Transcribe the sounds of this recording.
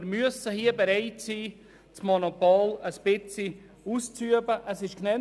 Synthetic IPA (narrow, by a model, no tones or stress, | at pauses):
ɾmyəsəhiːəbeɾɛɪtsiː | t͡smonopoːləspɪt͡si | uːst͡syəbəʔəsɪʃknɛ